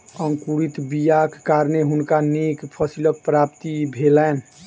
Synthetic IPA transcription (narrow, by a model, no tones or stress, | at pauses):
əŋkuɾit̪bijakkaɾneɦunkanekpʰəsilək̚pɾapt̪ibʱelɛn